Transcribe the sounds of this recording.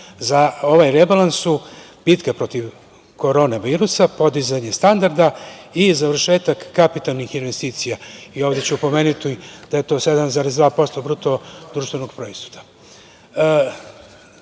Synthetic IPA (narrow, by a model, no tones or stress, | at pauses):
zao̞ʋajɾebalˠansu | bit̪kapɾo̞t̪iʋ | ko̞ɾo̞ːnaʋiːɾusapo̞d̪izaɲest̪and̪aɾd̪aizaʋɾʃe̞ːt̪akːapit̪alˠnixinʋest̪iːt̪sijaio̞ːʋd̪et͡ɕuupo̞me̞ːnut̪id̪̥aje̞t̪o̞ːse̞d̪amzaːɾesd̪ʋaːpo̞st̪o̞bɾut̪od̪ɾuːʃt̪ʋe̞noɡ̥pɾo̞ist̪u̥t̪ḁ